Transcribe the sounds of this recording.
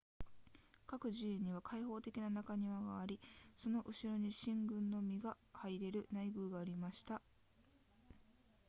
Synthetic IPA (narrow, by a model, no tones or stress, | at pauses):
kakɯ̟ʑĩːɲ̟iβ̞akʰaiho̞ːt̪e̞kʲinanakaɲ̟iβaɡaːɾʲiso̞no̞ʔɯ̟ɕiɾo̞ɲ̟iɕĩŋɡɯ̟̃nːo̞mʲiɡa | haiɾe̞ɾɯ̟naiɡɯ̟ːɡaːɾʲimaɕi̥t̪a